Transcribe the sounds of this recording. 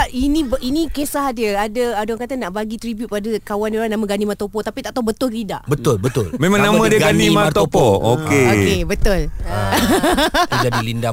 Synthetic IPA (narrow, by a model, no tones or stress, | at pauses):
ainĩbʔinĩkesahdiəadaadɔŋkat̪anaʔbaɡit̪ɾibjuʊt̪̚padakawandoɾanãmãɡanĩmat̪opɔt̪apit̪aʔt̪awbət̪ʊllida̰ʔbət̪ʊlbət̪ʊlmẽmãŋnãmãdiəɡɡanĩmat̪opɔokeokebət̪ʊl | id͡ʒadilinda